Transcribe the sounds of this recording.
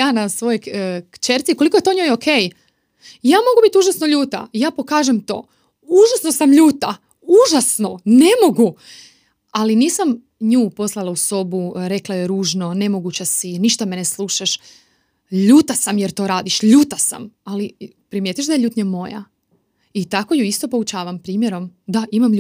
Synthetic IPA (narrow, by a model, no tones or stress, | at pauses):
jaːnasʋo̞jo̞jkkt͡ʃeɾt̪sikolikoet̪o̞ɲo̞jokʰe̞ːj | jaːmo̞ɡubit̪uʒasnoʎuːt̪a̰jaːpo̞kaːʒemt̪o̞̰ː | uʒasno̞samʎuːt̪a | uʒasno̞ne̞mo̞ɡu | aliniːsam | ɲuːpo̞slˠalˠauso̞buɾe̞klaje̞ɾuːʒno̞ne̞mo̞ɡut͡ɕasiniʃt̪ameneslˠuːʃaʃ | ʎuːt̪asamjeɾt̪o̞ːɾaːd̪iʃʎuːt̪asa̰mali | pɾimjet̪iʃd̪aje̞ʎʲuːt̪ɲamo̞ja̰ | it̪akojuist̪o̞po̞ut͡ʃaːʋampɾiːmje̞ɾo̞md̪aʔimam